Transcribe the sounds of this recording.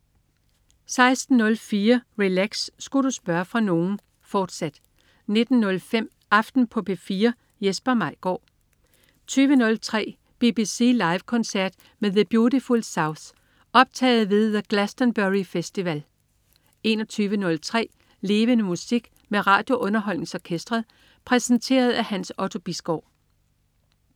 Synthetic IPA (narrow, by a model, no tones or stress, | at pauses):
sɑ̈ɪsd̥n̩ːɔ̽lfiːɐʁilæɡ̥sːɡ̥uɾ̥usb̥ɶɐfʁɑ̈no̝ːn̩ | fɒːd̥sæd̥ | ne̝d̥n̩ːɔ̽lfem̰ | ʔɑ̈fd̥n̩pʰɒ̽b̥ʰe̝fiːɐ | jesb̥ɐmɑ̈ɪ̰ɡ̥ɒ̰ː | t͡sʰyːʋənɔ̽lt͡sʰʁɛ̰ː | b̥ib̥ise̝̰ːlɑ̈ɪʋkʰɒ̽nsæɐ̰d̥ | meðəb̥jo̝difulsɑʊs | ɒ̽b̥̚t͡sʰɛ̰ːɪð̩ˠʋe̝ðˠəɡ̥læsd̥ənb̥øʁifesd̥iʋæl | e̝nɒt͡sʰyːʋənɔ̽lt͡sʰʁɛ̰ː | le̝ːʋənəmusiɡ̥ | meʁɑ̰̈ːd̥jo̝ʔɔ̽nɐɦɒ̽l̰ne̝ŋsɒkʰesd̥ʁɐðˠ | pʰʁɛsənt͡sʰe̝̰ːɐð̞̩ˠæhænsɒ̽t͡sʰo̝b̥isɡ̥ɒ̰ʊ̰